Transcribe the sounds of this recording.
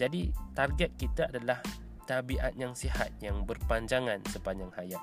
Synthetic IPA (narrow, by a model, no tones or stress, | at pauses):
d͡ʒadit̪arɡɛt̪̚kit̪aadalah | t̪abiʔat̪̚jaŋsiɦat̪̚jaŋbərpaɲd͡ʒaŋãnsəpaɲd͡ʒaŋhajat̪